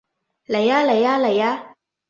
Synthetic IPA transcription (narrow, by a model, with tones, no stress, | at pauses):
la˨ja˦la˨ja˦la˨ja˦